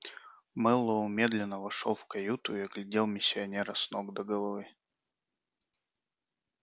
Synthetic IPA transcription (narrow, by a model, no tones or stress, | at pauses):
mɛlˠːoʊmʲe̞d̪lʲɪnːəvɐʂo̰lˠfkɐjut̪ʊiɐɡlʲɪdʲelˠmʲɪsʲːɪɐnʲeɾəsnoɡd̪əɡəlˠɐvɨ